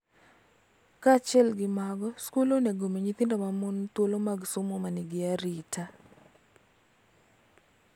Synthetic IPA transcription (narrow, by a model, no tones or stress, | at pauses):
kat͡ʃɪɛlɡɪmaɡɔskuloneɡomeɲit̪ɪndomamont̪wolomaɡsʊmɔmanɪɡɪaɾɪtʰa